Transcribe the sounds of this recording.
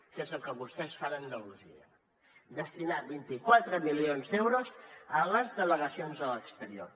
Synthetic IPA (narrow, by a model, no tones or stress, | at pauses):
kɛzəlˠkəβust̪ɛsfanənd̪əluziə | d̪əst̪inaβint̪ikwat̪ɾəmilionzd̪ɛwɾozələzðələɣəsionzələkst̪əɾio̰r